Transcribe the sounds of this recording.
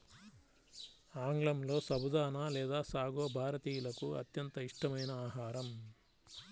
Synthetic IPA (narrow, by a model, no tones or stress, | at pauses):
aːŋɡɭɐmlo̞ːsɐbud̪aːnaːlɛːd̪aːsaːɡo̞ːbʱaːɾɐt̪iːjulɐkuɐ̰t̪jɐnt̪ɐiʂʈɐmɐjnɐaːɦaːɾɐm